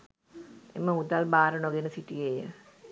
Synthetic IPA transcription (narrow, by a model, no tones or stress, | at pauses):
ḛməud̪albaːɾənoɡenəsiʈijejə